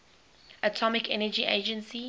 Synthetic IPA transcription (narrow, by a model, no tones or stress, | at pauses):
ʔətʰɔmɪkʰɛnəd͡ʒiʔḛɪd͡ʒə̃nsi